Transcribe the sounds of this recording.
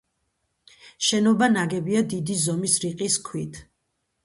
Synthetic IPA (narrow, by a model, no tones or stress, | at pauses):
ʃɛnɔbanaɡɛbiad̪id̪izɔmisɾiqʼiskʰwit̪ʰ